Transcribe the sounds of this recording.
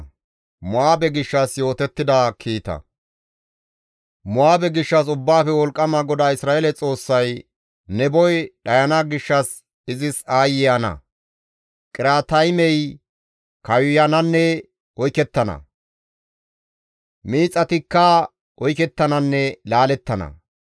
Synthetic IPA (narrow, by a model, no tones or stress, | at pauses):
mʊaːbɛɡɪʃːɐsjo̞ːt̪ɛt̪ːɪd̪akʰiːt̪ɐ̰ | mʊaːbɛɡɪʃːɐs̬ʊbːaːfɛwɔlkʼːɐmɐɡɔd̪aːɪsɾaːelɛt͡sʼo̞ːsːɐj | nɛbɔjɗɐjɐnaɡɪʃːɐs | ɪzɪsaːjɪjanɐ̰ | kʼɪɾaːt̪ɐjmɛj | kɐjjɐnɐnːɛ | ɔjkɛt̪ːɐnɐ̰ | miːt͡sʼːɐt̪ɪkːɐ | ɔjkɛt̪ːɐnɐnːɛlaːlɛt̪ːɐnɐ̰